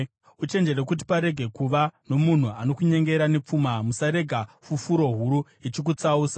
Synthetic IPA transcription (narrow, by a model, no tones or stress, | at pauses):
ut͡ʃe̞nd͡ʒe̞ɾekut̬i̥paɾe̞ɡʱe̞kuʋano̞mun̤uano̞kuɲe̞ŋɡe̞ɾanep͡fumamusaɾe̞ɡʱafufuɾo̞ɦuɾu | it͡ʃik̬ut͡sauːsḁ